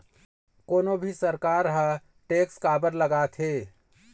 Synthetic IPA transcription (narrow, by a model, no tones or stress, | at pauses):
koːnobʱisəɾkaːɾɦə̃ | ʈeːkskaːbəɾləɡaːt̪ʰɦeː